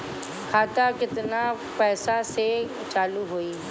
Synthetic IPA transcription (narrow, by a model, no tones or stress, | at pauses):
kʰaːt̪akɪt̪na | pɛːsase | t͡ʃaːluɦoːiː